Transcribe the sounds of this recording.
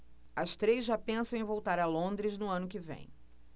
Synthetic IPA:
ɐst̪ɾejzʒːapẽsɐ̃w̃ẽvowt̪aɾɐlõnd̪ɾɪznʊɐ̃nʊkɪvḛ̃j̃

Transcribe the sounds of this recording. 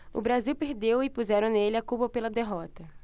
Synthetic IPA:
ʊ̰bɾaziwpeɾd̪ewɪpuzɛɾɐ̃nelɪakupɐpelɐd̪eɦɔt̪ɐ

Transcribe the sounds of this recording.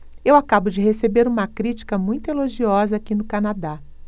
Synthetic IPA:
ewakabʊd͡ʒɪɦesebeɾũmɐkɾit͡ʃi̥kɐmũj̃t̪ʊeloʒiɔzɐakinʊkanad̪a

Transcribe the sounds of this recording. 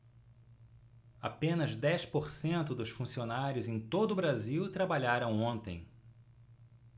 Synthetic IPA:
a̰pẽnɐzd̪ɛspoɾsẽnt̪ʊd̪ʊsfũsionaɾjʊzẽj̃t̪od̪ʊbɾaziwt̪ɾabaʎaɾɐ̃w̃õnt̪ḛ̃j̃

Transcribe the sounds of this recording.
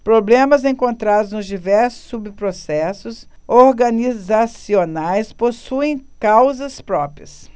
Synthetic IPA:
pɾoblẽmɐzẽkõnt̪ɾad̪ʊznʊzd͡ʒivɛɾsʊ̥sːubɪpɾosɛsʊsoɾɡɐnizasionajsposuẽj̃kawzɐspɾɔpɾiɐs

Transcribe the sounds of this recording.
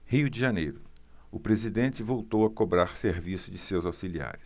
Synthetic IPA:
hiʊd͡ʒɪʒɐnejɾʊ | ʊpɾezid̪ẽt͡ʃɪvowt̪owɐkobɾaɾseɾvisʊd͡ʒɪsewzawsilia̰ɾɪs

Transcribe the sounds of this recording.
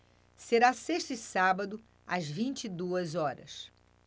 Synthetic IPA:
seɾaseʃt̪ɪsabɐd̪ʊ | ɐzvĩnt͡ʃid̪uɐzɔɾɐ̰s

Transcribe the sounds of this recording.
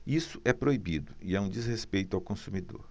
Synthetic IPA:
isʊʔɛpɾoibid̪ʊiɛũd͡ʒizhespejt̪ʊawkõsumid̪o̰ɾ

